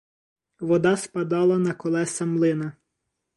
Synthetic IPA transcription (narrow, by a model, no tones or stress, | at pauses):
ʋɔd̪ɑspɐd̪ɑlˠɐnɐkɔlˠɛsɐmlˠɪnɐ